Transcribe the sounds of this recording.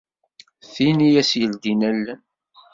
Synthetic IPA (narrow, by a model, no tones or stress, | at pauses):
θinijæsjəld̪inælːæn